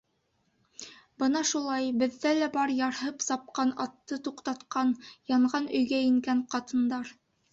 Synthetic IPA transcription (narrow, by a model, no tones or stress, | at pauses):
bɤnɑʃulˠɑjbɘ̆ðːælæbɑɾjɑɾɦɤpsɑp̚qɑnɑt̪ːɤt̪uqt̪ɑt̪qɑnjɑɴʁɑnɵ̆jɡæɘ̆ŋɡæɴqɑt̪ɤ̆nd̪ɑɾ